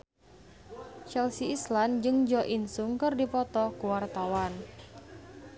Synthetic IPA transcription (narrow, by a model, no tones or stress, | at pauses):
t͡ʃɛlsiisland͡ʒɨŋd͡ʒɔʔinsuŋkɨrdipɔt̪ɔkuwart̪awan